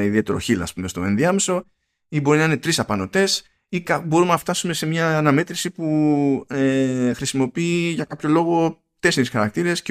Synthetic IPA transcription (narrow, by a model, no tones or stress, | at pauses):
eiðie̞t̪e̞ɾo̞̰çilɐ̰spume̞st̪o̞enðiɐmeso̞ | ibo̞ɾinɐinet̪ɾisɐpɐno̞t̪e̞s | ikɐbo̞ɾumenɐft̪ɐsume̞se̞mɲɐːnɐme̞t̪ɾisipuexɾisimo̞piiːʝɐkɐpço̞lo̞ɣo̞ | t̪e̞sinisxɐɾɐk̚t̪iɾe̞sce